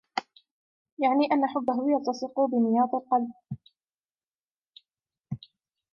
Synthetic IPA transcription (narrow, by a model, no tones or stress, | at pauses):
jaʕniːʔanːaħʊbːaɦʊjɑlt̪ɑsˤɨqubɪnɪjɑːt̪ˤɪlqɑlb̚